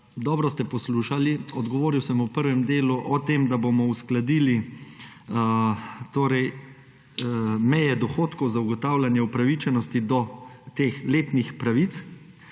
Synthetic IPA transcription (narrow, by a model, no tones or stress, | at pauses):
d̪ɔːbɾɔst̪ɛpɔsluːʃaliɔd̪ɡɔʋoːɾiwsəmupəɾʋɛmd̪eːluʔɔt̪emd̪abomɔusklad̪iːli | t̪oːɾɛj | mɛjɛd̪ɔxoːt̪kɔwzauɡɔt̪awlʲanjɛupɾaʋit͡ʃɛnɔst̪id̪ɔt̪eːxleːt̪nixpɾaʋit̪s